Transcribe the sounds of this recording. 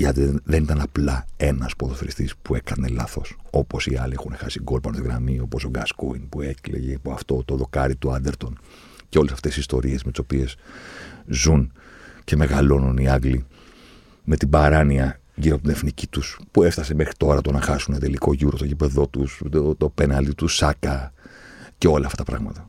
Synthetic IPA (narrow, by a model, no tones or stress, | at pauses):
ɐt̪ðenit̪ɐnɐplɐe̞nɐspoðosfɾist̪ispuekɐne̞lɐθo̞so̞po̞siɐliexunexɐsiɡo̞lpɐnost̪iɣɾɐmio̞po̞st̪oɡɐskoinpue̞klḛʝepoɐft̪o̞t̪oðo̞kɐɾit̪uɐnd̪e̞ɾt̪o̞n | ceo̞lesɐft̪e̞sist̪o̞ɾie̞zmet̪i̥so̞pie̞z | zunce̞me̞ɣɐlo̞nuniɐɡli | me̞t̪ibɐɾɐniɐ | ʝiɾopot̪ine̞fnici̥t̪uspue̞ft̪ɐse̞me̞xɾit̪o̞ɾɐt̪onɐxɐsunet̪e̞liko̞ʝuɾo̞t̪oʝipe̞ðo̞t̪ust̪openɐld̪it̪usɐkɐ | ce̞o̞lɐːft̪ɐt̪ɐpɾɐ̰ɣmɐ̰t̪ɐ